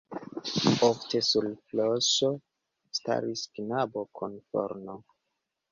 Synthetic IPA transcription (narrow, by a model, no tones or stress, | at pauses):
ofte̞sulfloʃo | sta̰ɾisknabokʰonfo̰ɾno